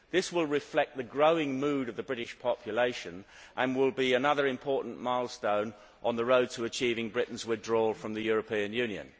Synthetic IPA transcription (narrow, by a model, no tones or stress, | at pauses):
ðɪswɪlˠɹɪflɛk̪̚ðəɡɹoʊɪ̃ŋmʉːɾʌvðəbɹɪɾɪʃpʰɑpʰjəleɪʃə̃n | ʔə̃nwɪlˠbiənʌðə˞ɪ̃mpʰɔˑɹʔn̩maɪlˠstõʊ̃n | ʔə̃nðəɹoʊd̚tʰəːt͡ʃʰiːvɪ̃ŋbɹɪʔn̩zwɪðdɹɔlfɹʌ̃mðɨjɔɹəpʰĩɨ̃njʉ̃njɨ̰̃n